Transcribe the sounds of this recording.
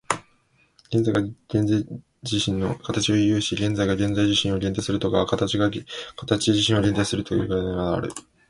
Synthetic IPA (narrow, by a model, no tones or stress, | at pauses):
ɡ̥end͡zajɡaɡ̥ẽna | d͡ʑiɕĩnːokʰat̪at͡ɕio̞jojɯ̟ːɕiɡẽ̞nd͡zaiɡaɡẽ̞nd͡zaiʑiɕĩɰ̃o̞ɡʲẽ̞nt̪asɨɾɯ̟t̪o̞kaβakat̪at͡ɕiɡakʰat̪at͡ɕiʑiɕĩɰ̃o̞ɾʲe̞nt̪̬aisɨɾɯ̟t̪o̞jɯ̰ːɡainaβaa̰ɾɯ̰